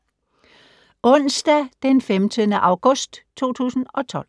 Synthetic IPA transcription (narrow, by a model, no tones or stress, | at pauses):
ʔɔ̽n̰sd̥æd̥enfemt͡sʰəð̩ˠnəʔɑ̈ʊɡ̥ɔ̽sd̥t͡sʰo̝̰ːt͡sʰṵːsn̩ɒ̽t͡sʰɒ̽l̰